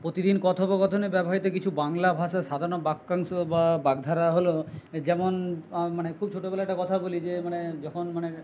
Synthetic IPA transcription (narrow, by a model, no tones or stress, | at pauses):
pɾot̪id̪inkɔt̪ʰobɔkɔt̪ʰonebɛboɦaɾit̪okit͡ɕʰubaŋlabʱaʃaʃad̪ʱaɾonobakːaŋsobabaɡ̚d̪ʱaɾaɦolod͡ʑɛmonmanekʰub̚t͡ɕʰoʈobelaɛʈakɔt̪ʰabolid͡ʑemaned͡ʑɔkʰonmane